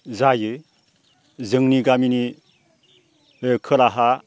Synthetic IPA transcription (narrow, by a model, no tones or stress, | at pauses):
zajɯ | zɯŋniɡamini | kʰɯlaɦa